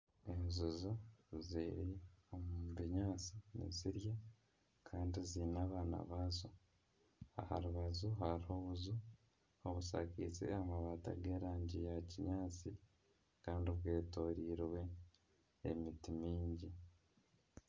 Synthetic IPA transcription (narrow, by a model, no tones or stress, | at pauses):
enzuzoziːɾiomuβiɲaːt͡sinḛziɾja | kʰaːndiziːnaːβaːna̰βazo | a̰ha̰ɾuβazuɦaɾiho̞βuzu | oβusa̰kḭt͡sḛamaβaːta̰ɡeːɾaːɲɟijaciɲaːt͡si | kaːndiβwe̞ːto̞ːɾiːɾwe̞̰ː | mitimiːɲɟi